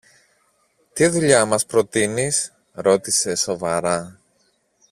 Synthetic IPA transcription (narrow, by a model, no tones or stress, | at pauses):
t̪iðuʎɐmɐspɾo̞t̪inis | ɾo̞t̪ise̞so̞vɐɾɐ